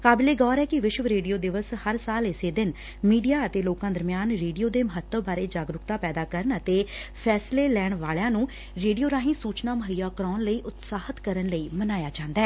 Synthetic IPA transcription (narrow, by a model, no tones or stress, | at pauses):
kaːbɪleːɡɔːɾɛːkɪʋɪʃʋəɾeːɖijoːd̪ɪʋəshəɾsaːlɪseːd̪ɪn | miːɖijaːət̪eːloːkãːd̪əɾmɪjaːnɾeːɖijoːd̪eːməɦət̪ːəʋbaːɾeːd͡ʒaːɡɾʊkt̪aːpɛːd̪aːkəɾəɳət̪eːpʰɛːsleːlɛːɳʋaːljãːnũː | ɾeːɖijoːɾaːɦĩːsuːt͡ʃnaːməɦəjaːkəɾaːnləiːʔʊt̪saːhət̪kəɾənləiːmənaːjaːd͡ʒãːnd̪ɛː